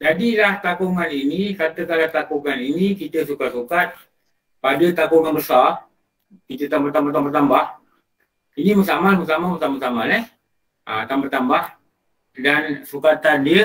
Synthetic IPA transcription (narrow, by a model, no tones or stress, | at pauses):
d͡ʒadilaht̪akuŋaninikat̪əkalat̪akuŋaninikit̪əsukat̪̚sukat̪̚ | padət̪akuŋanbəsar | kit̪ət̪ambart̪ambart̪abərt̪ambah | iniməsamanməsamaməsamasamanɛh | ʔət̪ambat̪ambah | dansukat̪andiə